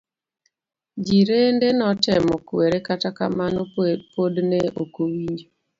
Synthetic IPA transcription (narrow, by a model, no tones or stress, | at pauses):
d͡ʒiɾendenɔtɛmɔkweɾekataka̰manopodneokowiɲd͡ʒo